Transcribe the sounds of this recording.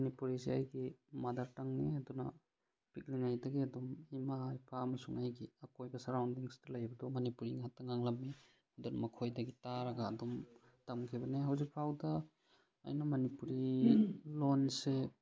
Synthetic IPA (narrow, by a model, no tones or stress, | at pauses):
mɐnipuɾiseajɡimadaɾtaŋniadunɐ̰ | pik̚liŋajdɐɡiɐdɔmimaːjpʰaːmɐsuŋajɡiɐkojbɐsɐɾawndiŋstɐlajbɐdɔmɐnipuɾiŋɦatːɐŋaŋlamni | adɔnɐmɐkʰojdɐɡitaɾaɡaːdɔm | tamkʰibɐneɦawzik̚pʰawdɐ̰ː | jnɐmɐnipuɾi | lonse